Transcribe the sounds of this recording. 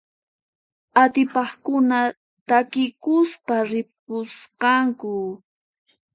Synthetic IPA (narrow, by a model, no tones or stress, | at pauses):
at̪ɪpɑχkʊna | t̪akɪkʊspaɾɪp̚ʊsqɑŋkʊ